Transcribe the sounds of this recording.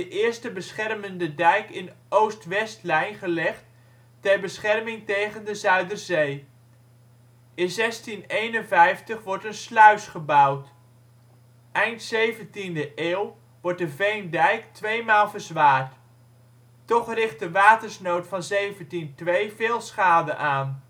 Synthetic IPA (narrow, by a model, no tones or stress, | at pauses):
dəʔɪːɹstəbəsχɛrməndədɛjkɪn | owstʋɛstlɛjnχəlɛχtː | ɛɹbəsχɛrmɪŋtejχəndəzœɥdərzej | ʔɪnzɛstinejnənvɛjftəχʋɔɹtənslœɥsχəbɑwt | ʔɛjntsejvəntindəʔeːw | ʋɔɹt̚dəvejndɛjktʋejmaːlˠvəɹzʋaːɹt | tɔχrɪχt̚dəʋaːtəɹsnowtfɑnzejvəntintʋejvɪːlˠsχaːdənʔaːn